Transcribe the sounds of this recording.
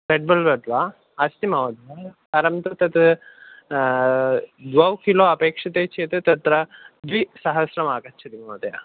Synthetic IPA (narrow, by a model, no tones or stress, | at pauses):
ɾeɖ̚bɐlbɐd̪ʋa | ɐst̪imɐʋɐd̪ʋa | ɐɾɐmt̪ɐt̪ɐt̪ | d̪ʋɐwkiloːɐpeːkʂɐt̪eːt͡ʃʰet̪ɨt̪ɐt̪ɾɐd̪ʋisɐɦɐsɾɐmaːkɐt͡ʃʰɐt̪imɐʋɐd̪ɐja̰